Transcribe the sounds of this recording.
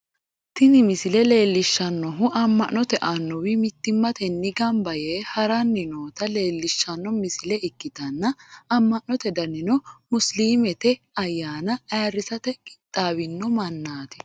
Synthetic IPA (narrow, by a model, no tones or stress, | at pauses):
t̪ɪnɪmɪsɪlɛle̞ːlːɪʃːɐnːɔɦʊʔɐmːɐʔnɔt̪ɛʔɐnːɔwɪmɪt̪ːɪmːɐt̪ɛnːɪɡɐmbɐjeːhɐɾɐnːɪnoːt̪ɐle̞ːlːɪʃːɐnːɔmɪsɪlɛɪkːɪt̪ɐnːɐɐmːɐʔnːɔt̪ɛd̪ɐnːɪnɔmʊsliːmɛt̪ɛ | ɐjːaːnɐɐrːɪsɐt̪ɛkʼɪ̥t̪ʼːaːwɪnːɔmɐnːaːt̪ɪ̥